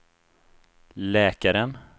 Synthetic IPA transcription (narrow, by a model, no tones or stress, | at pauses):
lɛːkaɾən